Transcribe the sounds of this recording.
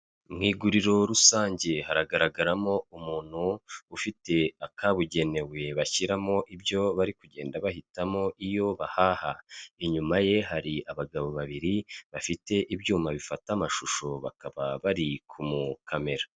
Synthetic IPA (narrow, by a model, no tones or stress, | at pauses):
mŋiːɡuɾiɾo̞ɾusaːɲɟe̞haɾaɡaɾaɡaɾamo̞umuːn̥huːfite̞akaβuɟe̞ne̞we̞βaçiɾamo̞ʔibjo̞βaɾikuɟe̞ːndaβahitamo̞ʔijo̞βahahaiɲumaje̞ɦaɾiaβaɡaβo̞βaβiɾiβafite̞ʔibjuːmaβifatamaʃuʃo̞βa̰kʰaβaβaɾikʰumukʰame̞ɾa